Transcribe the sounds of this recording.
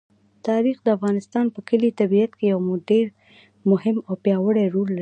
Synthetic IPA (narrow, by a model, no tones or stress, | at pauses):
t̪ɑɾixd̪əafɣɑnɪst̪ɑnpəkəlit̪abiat̪kejawmʊɖeɾ | mʊhɪmawpjɑwəɽɛɾolːai